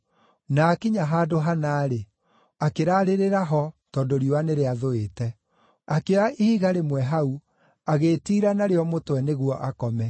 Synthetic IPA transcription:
nakiɲaɦaːdoɦanaːɾe | akeɾaːɾeɾeɾaɦɔtɔdoɾioaneɾeaðoetɛ | akeaihiɣaɾemwɛɦau | aɣeːtiːɾanaɾeɔmotwɛneɣwɔʔakɔmɛ

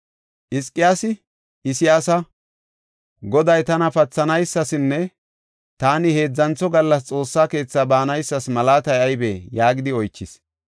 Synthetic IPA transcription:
ʔɪskʼːɪjaːsɪ | ʔɪsɪjaːsɐ | ɡɔd̪ɐjt̪ɐnɐfɐt͡sːɐnɐjsːɐsɪnːɛ | t̪aːnɪhe̞ːd͡zːɐnt͡sːɔɡɐlːɐs̬t͡sʼo̞ːsːaːke̞ːt͡sːabaːnɐjsːɐsmɐlaːt̪ɐjɐjbejaːɡɪd̪ɪɔjt͡ʃːɪs

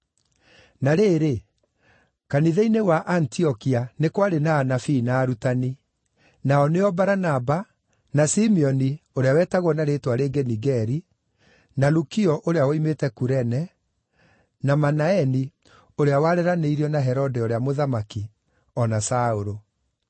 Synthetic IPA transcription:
naɾeːɾe | kaniðeinewaʔantiɔkianekwaɾenaːnafinaːɾutani | naɔneɔbaɾanaba | nasimiɔnioɾeawɛːtaɣwɔnaɾetwaɾeɡɛniɡɛɾi | nalukiɔʔoɾeawɔimetɛkuɾɛnɛ | namanaɛni | oɾeawaɾɛɾaneiɾiɔnaɦɛɾɔdɛoɾeamoðamaki | ɔnasaoɾo

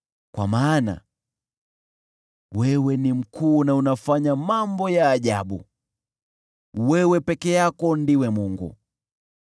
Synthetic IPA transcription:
kwa̰maːna̰ | wɛwɛnim̩kʰuːnaunafaɲamambɔjaːʄaɓṵ | wɛwɛpɛkɛjakɔndiwɛmuŋɡṵ

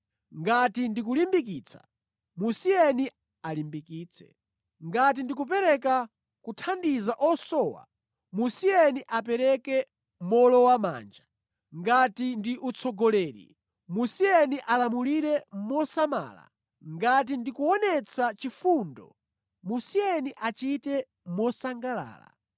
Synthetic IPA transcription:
ŋɡatindik̬ulimbik̬iːt͡sʰḁ̰ | musiɛni | alimbikiːt͡sʰɛ̥̰ | ŋɡat̬indikup̬ɛɾɛka | kutʰandizaʔɔsɔːwa̰ | musijɛniʔapɛɾɛkɛ | mɔlɔwama̰ːnd͡ʒa | ŋɡatindiʔut͡sʰɔɡɔlɛːɾḭ | musiɛniʔalamuliɾɛmɔsama̰ːla̰ | ŋɡat̬indikuɔnɛt͡sʰat͡ʃifuːndɔ̰ | musiɛniʔat͡ʃitɛ | mɔsaŋɡala̰ːla̰

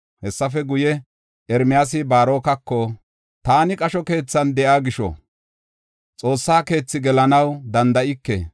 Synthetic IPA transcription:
hɛsːɐfɛɡʊjɛ | ʔɛɾmɪjaːs̬ɪbaːɾo̞ːkɐkːɔ | t̪aːnɪkʼɐʃɔke̞ːt͡sːɐnd̪ɛʔaːɡɪʃɔ̰ | t͡sʼo̞ːsːaːke̞ːt͡sːɪɡɛlɐnɐwd̪ɐnd̪ɐʔɪkːɛ̰

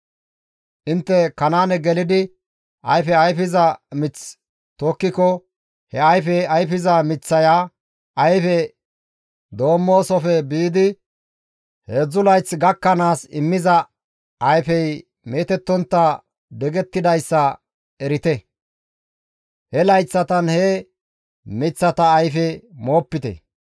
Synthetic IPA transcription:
ʔɪnt̪ːɛkɐnaːnɛɡɛlɪd̪ɪ | ʔɐjfɛɐjfɪzɐmɪt͡s | t̪oːkːɪkɔ | hɛɐjfɛɐjfɪzɐmɪt͡sːɐjaː | ʔɐjfɛ | d̪o̞ːmːo̞ːsɔfɛbiːd̪ɪ | hɛzʊlɐjt͡sɡɐkːɐnaːsɪ̰mːɪzɐ | ɐjfɛj | meːt̪ɛt̪ːɔnt̪ːɐ | d̪ɛɡɛt̪ːɪd̪ɐjsːɐ | ɛɾɪt̪ɛ | hɛlɐjt͡sːɐt̪ɐnhɛ | mɪt͡sːɐt̪ɐːjfɛmo̞ːpːɪt̪ɛ̰

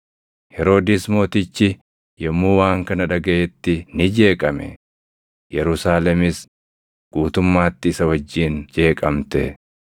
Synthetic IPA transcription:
hɛɾo̞ːd̪ɪsmo̞ːt̪ɪt͡ʃːɪ | jɛmːuːwaːŋkɐnɐᶑɐɡɐʔet̪ːɪnɪd͡ʒe̞ːkʼɐmɛ̰ | jɛɾʊsaːlɛmɪs | ɡ̥uːt̪ʊmːaːt̪ːɪːsɐwɐd͡ʒːiːnd͡ʒe̞ːkʼɐmt̪ɛ

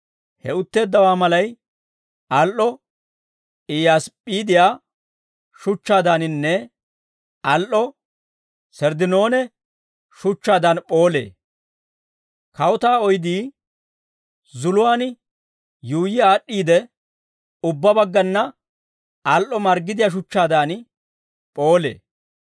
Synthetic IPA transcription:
hɛ̰ʊt̪ːe̞ːd̪ːɐwaːmɐlɐj | ʔɐlʔɔ | ɪjaːspʼːiːd̪ɪjaː | ʃʊt͡ʃːaːd̪anɪnːɛ | ʔɐlʔɔ | sɛɾd̪ɪnoːnɛ | ʃʊt͡ʃːaːd̪ɐnpʼo̞ːlḛː | kɐwʊt̪aːɔjd̪iː | zʊlʊwaːn | juːjɪaːɗːiːd̪ɛ | ʊbːɐbɐɡːɐnːɐ | ɐlʔɔmɐɾɡɪd̪ɪjaːʃ̬ʊt͡ʃːaːd̪aːn | pʼo̞ːlḛː

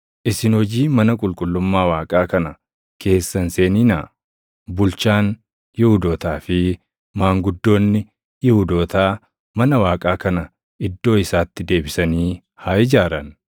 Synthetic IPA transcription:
ʔɪsɪnhɔd͡ʒiːmɐnɐkʼʊlkʼʊlːʊmːaːwaːkʼaːkɐnɐ | kʰe̞ːsːɐnse̞ːniːnaː | bʊlt͡ʃaːn | jɪhʊd̪oːt̪aːfɪ | maːŋɡʊd̪ːo̞ːnːɪ | jɪhʊd̪oːt̪aː | mɐnɐwaːkʼaːkɐnɐ | ʔɪd̪ːo̞ːɪsaːt̪ːɪd̪e̞ːbɪsɐniː | haːʔɪd͡ʒaːɾɐn

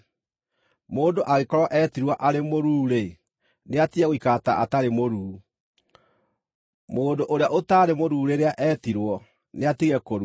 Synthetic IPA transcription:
moːndoʔaɣekɔɾwɔʔɛtiɾwɔʔaɾemoɾuːɾe | neatiaɣwikataʔataɾemoɾuː | moːdoʔoɾeaʔotaɾemoɾuːɾeɾeaʔɛtiɾwɔ | neatiɣɛkoɾu

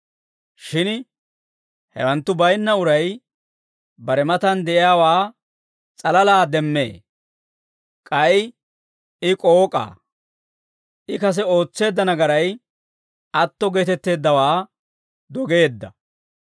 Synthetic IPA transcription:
ʃɪn | hɛ̰wɐnt̪ːʊbɐjnːɐʊɾɐj | bɐɾɛmɐt̪ɐnd̪ɛʔɪjaːwaː | t͡sʼɐlɐlaːd̪ɛmːe̞̰ː | kʼɐj | ɪkʼoːkʼa̰ː | ʔɪkɐs̬ɛo̞ːt͡sːe̞ːd̪ːɐnɐɡɐɾɐj | ɐt̪ːɔɡe̞ːt̪ɛt̪ːe̞ːd̪ːɐwaː | d̪ɔɡe̞ːd̪ːɐ̰

